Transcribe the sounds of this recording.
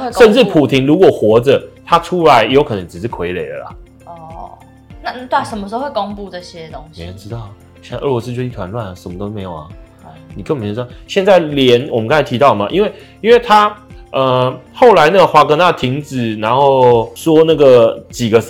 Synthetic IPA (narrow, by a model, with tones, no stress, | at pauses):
e˥˧ʂə˥˧nʈ͡ʂɻ̩˥˩pʰu˨˩t̪ʰi˧˥ŋlu˧˥kwɔ˨˩xwɔ˧˥ʈ͡ʂə˨t̪ʰa˥ʈ͡ʂʰu˥la˧˦ɪjo˧˥ʊkʰɤ˨˩nə˧˦ŋʈ͡ʂɻ̩˨˩ʂɻ̩˥˩kʰwe˧˥ɪlḛ˨˩ɪd̪ə̰˨lɐ̰˩ | ɔ˥˩ | na˥˧˨t̪we˥˩ʂə˩mə˧ʂ̩˧˥o˥˧˥we˥˩ko˥ŋpu˥˧ʈ͡ʂə˥˩ɕjɛ˥˦t̪o˥ŋme˧ɪə˧nʈ͡ʂɻ̩˥t̪ɑ˥˩ʊ | ɛ˥˧n˥˧ə˥˩lwɔ˧˥sɹ̩˥t͡ɕjo˥˧˩i˥˧t̪ʰwa˧˦nlwa˥˩nə˩ʂə˨˩mə˦t̪o˥ʊme˧˥ɪjo˨˩ɐ˩ | ni˨˩kə˥˩˨m˨˧˥ɻɑ˥˨ɕjɛ˥˧nt͡sa˥˩ɪljɛ˧˥nwɔ˨˩mə˦kɑ˥nt͡sa˧˥ɪi˧t̪ɑ˥˩ʊmɐ̰˨ʔi˥nwe˥˩ɪ | i˥nwe˥˩ɪt̪ʰa˥ə˧xo˥˩ʊla˧˥ɪna˥˩ɡə˩xwa˧˥kɤ˧˥na˥˩t̪ʰi˧˥ŋt͡sɹ̩˨˩na˧˦nxo˥˩ʊʂwɔ˥na˥˩ɡə˩t͡ɕi˨˩ɡə˦